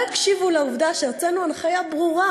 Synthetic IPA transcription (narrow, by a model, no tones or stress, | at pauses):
akʃivulauvdaʃeʁt͡senuanχajabʁuʁa